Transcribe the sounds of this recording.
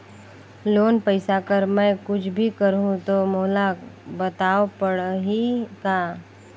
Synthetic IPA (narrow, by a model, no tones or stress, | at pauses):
loːnpəɪsakəɾmɛ̃ːkʊt͡ʃʰbʱikəɾɦũt̪omoːlabɐt̪aːopəɽɦikaː